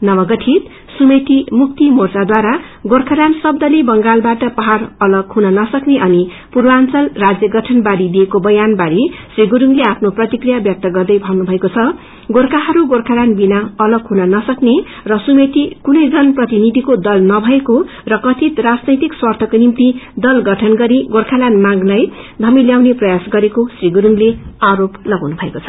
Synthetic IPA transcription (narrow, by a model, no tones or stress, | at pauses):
nʌβʌɡʌʈʰit̪ | sumet̪imuk̚t̪imort͡sad̪waɾa | ɡorkʰaɾansʌb̚d̪ʌlibʌŋɡalbaʈʌpʌɦarʌlʌɡɦunʌnʌsʌkneʔʌni | purbant͡sʌlrad͡zjʌɡʌʈʰʌnbaɾid̪iekobʌjanbaɾisriɡuɾuŋleapʰnoprʌt̪ikrijabjʌk̚t̪ʌɡʌrd̪ʌjbʱʌwnubʱʌekot͡sʰʌ | ɡorkaɦʌɾuɡorkʰalanbinaʌlʌɡɦunanʌsʌknerʌsumet̪ikunʌjd͡zʌnprʌt̪inid̪ʱikod̪ʌlnʌbʱʌeko | rʌkʌt̪ʰit̪rad͡znʌjt̪ikswʌrt̪ʰʌkonimt̪id̪ʌlɡʌʈʰʌnɡʌɾiɡorkʰalanmaɡlajd̪ʱʌmiljawneprʌjasɡʌɾekosriɡuɾuŋleaɾoplʌɡawnubʱʌekot͡sʰʌ̥